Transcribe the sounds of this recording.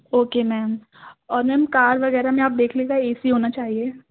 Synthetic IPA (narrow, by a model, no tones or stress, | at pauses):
oːkemɛːm | ɔːɾmɛːmkaːɾʋɐɣɛːɾamẽaːp̚d̪eːkʰleːɡaɛːsiɦoːnat͡ʃaːɦieː